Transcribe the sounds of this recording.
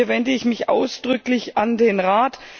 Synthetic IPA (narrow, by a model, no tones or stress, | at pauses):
əɐvɛndəɪçmɪçʔa̰ʊsd̥ʁʏklɪçʔandeːnʁaːt